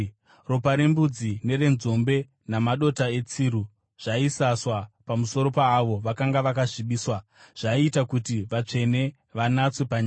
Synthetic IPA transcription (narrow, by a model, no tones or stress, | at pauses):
ro̞paɾembud͡zine̞re̞nzo̞mbe̞ | namaɗo̞tae̞t͡siːɾu | ʐ̥aisaswapamuso̞ɾo̞paːʋo̞ʋakaŋɡaʋakaʐiɓiːswa | ʐ̥aiitakutiʋat͡ʂe̞ne̞ | ʋanat͡swe̞paɲaː